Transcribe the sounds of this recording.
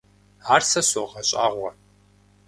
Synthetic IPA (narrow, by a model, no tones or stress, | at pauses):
aːrsɐsoʁɐɕʼa̰ːʁʷɐ